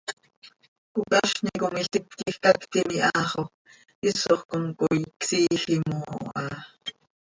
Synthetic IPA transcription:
kukʼɑʃnikomiɬt̪ip̪̚kixkɑkt̪imiʔɑːχo | ʔisoχkoŋkʼojksiːɬimoːʔɑ

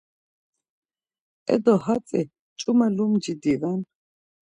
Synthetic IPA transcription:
ɛ̰d̪ɔhat͡sʼɛ | t͡ʃʼumalumd͡ʒid̪ivan

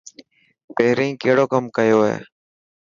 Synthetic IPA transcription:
peɦɾĩːkeːɽoːkəmkəjoːɦḛː

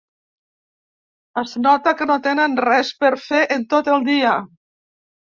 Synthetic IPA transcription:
əznɔt̪əkənot̪enənrɛspəɾfeʔənt̪ot̪əlˠd̪iə

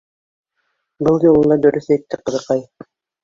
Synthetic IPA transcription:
bɤlˠjolˠɤnd̪ɑd̪ɵɾyθejt̪ːɪqɤ̆ðɤ̆qɑj

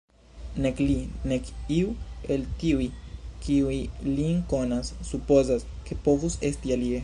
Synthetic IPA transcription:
nekline̞kiue̞ltiujkiujliŋko̞nasːupo̞zaske̞po̞vuse̞stialie

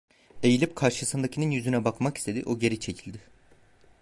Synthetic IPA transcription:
e̞jilʲip̚kʰaɾʃɯsɯnd̪acʰininjyzynɛbakmakist̪ʰe̞d̪ḭʔoɟe̞ɾit͡ʃʰe̞cʰilʲd̪ɪ

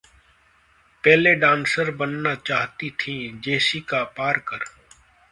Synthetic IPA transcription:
pɛːleɖãːnsəɾbənːat͡ʃaːɦt̪it̪ʰĩːd͡ʒeːsiːkapaːɾkəɾ

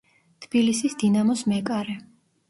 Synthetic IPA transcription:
t̪ʰb̥ilisisd̪inamɔsmɛkʼaɾɛ

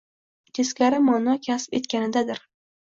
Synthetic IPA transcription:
t̪ʲʰeskʲaɾɪmɒnɒkʲʰasɪ̥pe̞t̪kʲanɪd̪ad̪ɪɾ

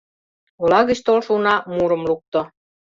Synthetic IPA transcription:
olɑɣə̆t͡ɕt̪olʃunɑmuɾɤ̆mluk̚t̪ŏ

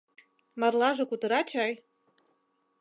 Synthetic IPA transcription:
mɑrlˠɑʒɤ̆kut̪ɤ̆ɾɑt͡ɕʰɑj

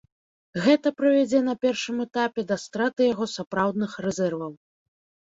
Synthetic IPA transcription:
ɣɛt̪ɐpɾɨvʲad͡zʲɛn̪ɐpʲɛrʂɨmɛt̪apʲɛd̪ɐst̪ɾat̪ɨjaɣɔsapɾawd̪nɨxrɛzʲɛrvɐw

